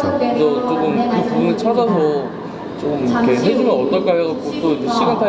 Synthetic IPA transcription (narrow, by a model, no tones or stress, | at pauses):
t͡ɕʰʌt͡ɕokɯmkɯpuɡunɯt͡ɕʰad͡ʑʌsʰʌ | t͡ɕomikʰe̞ned͡ʑumanʌt͈ʌk͈ʰaɭʌɡat̚k͈ot͈oid͡ʑeɕ͈ʰiɡantʰa